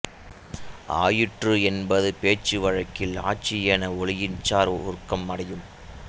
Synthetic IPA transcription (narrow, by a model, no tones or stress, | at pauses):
a̰ːjɪʈrɯɛnbɐðɯpeːt͡ʃːɯʋɐɻɐkːɪla̰ːt͡ʃɪjeːnɐɔɭɪjɪnt͡ʃaːɾʊ̰ɾkːɐmːɐɽɐjɯm